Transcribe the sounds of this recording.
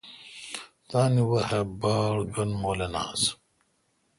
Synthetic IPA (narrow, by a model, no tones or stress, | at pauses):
t̪aːniwɐhɐbaːɽɡɐnmoːlɐna̰ːs